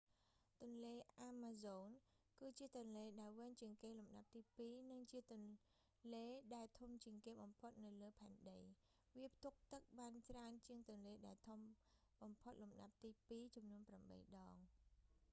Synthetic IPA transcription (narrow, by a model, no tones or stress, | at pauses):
t̪ʊ̆ənleːʔaːmaːzoːn | kɨːt͡ɕiət̪ŭənleːɗaɛlʋɨɲt͡ɕiəŋkeːlumɗap̚t̪iːpiːnɨŋt͡ɕiət̪ʊ̆ən | leːɗaɛlt̪ʰumt͡ɕiəŋkeːɓɑmpʰot̪̚nɨwləːpʰaɛnɗəj | ʋiəp̚ʰt̪uk̚t̪ɨk̚ɓaːnt͡ɕraənt͡ɕiəŋt̪ʊənleːɗaɛlt̪ʰumɓɑmpʰot̪̚lumɗa̰p̚t̪iːpiːt͡ɕumnuənpramɓə̰jɗɑːŋ